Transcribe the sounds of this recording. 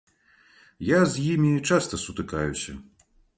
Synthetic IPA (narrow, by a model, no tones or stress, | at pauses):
jazʲjimʲit͡ʂast̪ɐsut̪ɨkajusʲɐ̰